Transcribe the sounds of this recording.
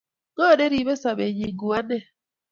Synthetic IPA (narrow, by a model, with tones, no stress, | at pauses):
ɡo˦˨de˦ɾi˨be˦sa˨be˨ɲi˨ɡu˨a˦ne˦